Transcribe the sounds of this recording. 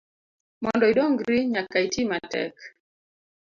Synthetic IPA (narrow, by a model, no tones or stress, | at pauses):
mɔndɔiɗɔŋɡɾiɲakːaitʰimatɛ̰k